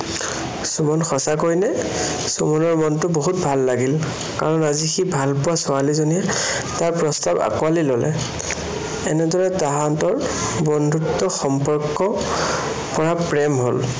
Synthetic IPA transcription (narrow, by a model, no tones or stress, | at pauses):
sumɔnxɔsakojnɛ | sumɔnɔɹmɔntʊboɦut̚bʱalːaɡil | kaɹɔnazixibʱalpʊasɔalizonijɛ | taɹpɹɔstaba̰kualilɔlɛ̰ | ɛnɛdɔɹɛtaɦantɔɹbɔndʱutːɔxɔmpɔɹkːɔ | pɔɹapɹɛmɦol